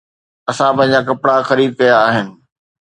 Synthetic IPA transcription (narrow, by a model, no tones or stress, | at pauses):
ɐsãpɐ̃ɦɪ̃ɲ̆d͡ʑaːk̬ɐpɽaxɐɾiːd̪̚kɐjaːɦɪnɪ̆